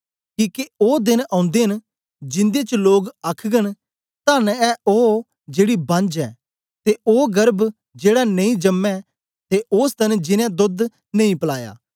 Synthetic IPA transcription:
kiːkeoːd̪ɪnãːʊ̃nd̪eɦən | d͡ʒɪ̃nd̪et͡ʃloːɡɐkʰɡən | t̪anɛo | d͡ʒeːɽibɐ̃nd͡ʒɛ̰ː | t̪eʔoːɡɐɾb | d͡ʒeːɽanɐ̃ĩd͡ʒɐmːɛ | t̪eʔoːst̪ɐnd͡ʒɪnɛ̃d̪ʊd̪ | nɐĩpɐla̰ːja̰ː

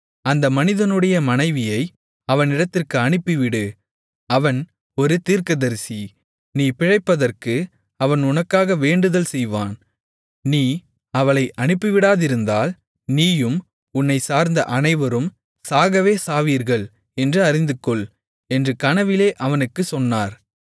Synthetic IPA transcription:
ɐnd̪ɐmɐnɪðɐnɯɽɐjɐmɐnɐɪʋɪjɐɪ | ɐʋɐnɪɽɐt̪ːɪrkɯɐɳɪpːiʋɪɽɯ | ɐʋɐn | ɔɾɯt̪iːɾkɐðɐɾsi | niːpɪɻɐɪpːɐðɐrkɯ | ɐʋɐnʊnɐkːaːɣɐʋeːɳɖɯðɐlsɛjʋa̰ːn | niː | ɐʋɐɭɐɪʔɐɳɪpːɯʋɪɽaːðɪɾɯnd̪aːl | niːjɯm | ʊnːɐɪsaːɾnd̪ɐʔɐnɐɪʋɐɾɯm | saːɣɐʋeːsaːʋiːɾɣɐɭ | ɛndrɯɐɾɪnd̪ɯkːɔɭ | ɛndrɯkɐnɐʋɪleːʔɐʋɐnɯkːɯsɔnːaːɾ

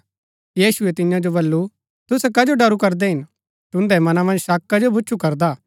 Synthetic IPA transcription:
jiːsʊɛt̪ɪjãd͡ʒobɐlːu | t̪ʊsɛkɐd͡ʒoɖɐɾukɐɾd̪ɛɦɪn | t̪ʊ̃nd̪ɛmɐnamɐ̃nd͡ʒʃaːkːad͡ʒobʊːt͡ʃʰukɐɾd̪aː

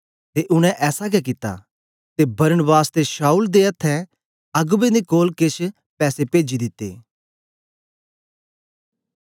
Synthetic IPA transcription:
t̪eʔʊɽ̃ɛ̃ʔɛːsaɡɛkɪt̪ːa̰ | t̪ebɐɾənəbaːst̪eʃaːuːld̪eɐt̪ʰːɛ | ɐɡbẽd̪ekoːlkɪʃ | pɛːsepeːd͡ʒid̪ɪt̪ːḛː

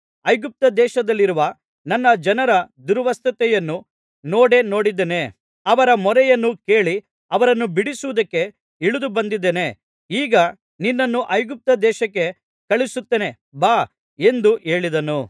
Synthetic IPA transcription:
ɐjɡup̚t̪ɐd̪ɛːʃɐd̪ɐlːiɾuʋɐ | nɐnːɐd͡ʒɐnɐɾɐd̪uɾʋɐst̪ɐt̪ɛjɐnːu | noːɽeno̞ːɽid̪ene | ɐʋɐɾɐmɔɾɛjɐnːukeːɭi | ɐʋɐɾɐnːubiɽisuʋud̪ɐkːe̞ | iɭud̪ubɐnd̪id̪ːene̞ | iːɡɐ | ninːɐnːuʔɐjɡup̚t̪ɐd̪ɛːʃɐkːe̞ | kɐɭisut̪ːeːne̞ | baː | e̞nd̪uʔe̞ːɭid̪ɐnu

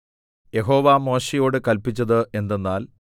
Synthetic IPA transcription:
je̞ɦo̞ːʋamo̞ːɕijo̞ːɽɨkɐlpit͡ɕːɐðɨʔe̞nd̪enːaːl

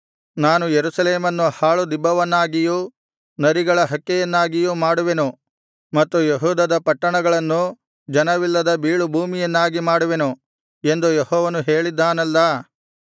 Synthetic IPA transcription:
naːnujeɾusɐleːmɐnːuhaːɭud̪ibːɐʋɐnːaːɡijuː | nɐɾiɡɐɭɐɦɐkːɛjɐnːaːɡijuːmaːɽuʋe̞nu | mɐt̪ːujeɦuːd̪ɐd̪ɐpɐʈːɐɳɐɡɐɭɐnːu | d͡ʒɐnɐʋilːɐd̪ɐbiːɭubʱuːmijɐnːaːɡimaːɽuʋe̞nu | e̞nd̪ujehɔːʋɐnuɦe̞ːɭid̪ːaːnɐlːɐ

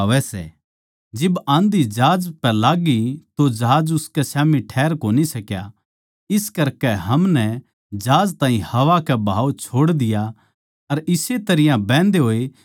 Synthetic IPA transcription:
ʋɛsɛ̰ | d͡ʒɪbãːnd̪id͡ʒaːd͡ʒpɛlaːɡit̪od͡ʒɐɦaːd͡ʒʊskɛsaːmiʈʰɛːɾkoːnisɐkja̰ | ɪskɐɾkɛɦɐmnɛ | d͡ʒaːd͡ʒt̪ãːɦĩhɐʋakɛbʱa̰ːut͡ʃʰoːɽd̪ɪja | ɐɾɪset̪ɐɾɪjãbɛ̃ːnd̪eɦoːe

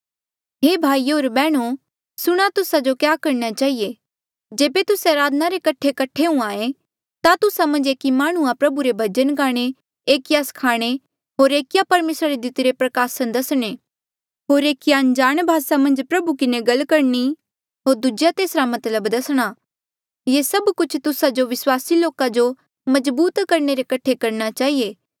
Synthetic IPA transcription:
ɦeːbʱaːioːɾbɛːɽ̃u | sʊɽ̃at̪ʊsad͡ʒokjaːkɐɾnat͡ʃaːɦije | d͡ʒeːbet̪ʊseɾaːd̪naɾekɐʈʰːekɐʈʰeũaːẽ | t̪at̪ʊsamɐ̃nd͡ʒeːkimaːɽ̃ũãpɾɐbuɾebʱɐd͡ʒənkaːɽ̃e | eːkjaːskʰaːɽ̃e | ɦoːɾeːkjapɐɾmeːsɾaɾed̪ɪt̪ɾepɾɐkaːsɐnd̪ɐsɽ̃e | ɦoːɾeːkijand͡ʒaːɽ̃bʱaːsamɐ̃nd͡ʒpɾɐbukɪneɡɐlkɐɾni | ɦoːɾd̪ʊd͡ʒjat̪eːsɾamɐt̪ləbd̪ɐsɽ̃a | jesɐbkʊt͡ʃʰt̪ʊsad͡ʒoʋɪswaːsiloːkad͡ʒo | mɐd͡ʒbuːt̪kɐɾɳeɾekɐʈʰekɐɾnat͡ʃaːɦieː

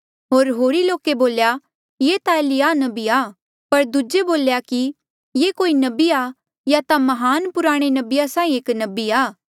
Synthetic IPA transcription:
ɦoːɾɦoːɾiloːkeboːlja | jet̪aeːlɪjaːnɐbiaː | pɐɾd̪ud͡ʒeboːljaki | jekoːinɐbia | jat̪amɐɦaːnpʊɾaːɽ̃enɐbɪjasãːĩeːknɐbiaː

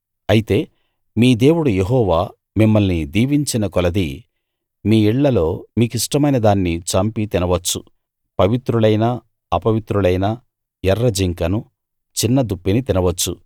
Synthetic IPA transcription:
ɐjit̪e̞ː | miːd̪e̞ːwuɽujeɦɔːʋaː | mimːɐlnid̪iːʋiɲt͡ʃinɐkɔlɐd̪i | miːiɭːɐlo̞ːmiːkiʂʈɐmɐjnɐd̪aːnːit͡ʃɐmpit̪inɐʋɐt͡ʃːu | pɐʋit̪ɾuɭɐjnɐ | ɐpɐʋit̪ɾulɐjnɐ | jɛrːɐd͡ʒiŋkɐnu | t͡ʃinːɐd̪upːinit̪inɐʋɐt͡ʃːṵ

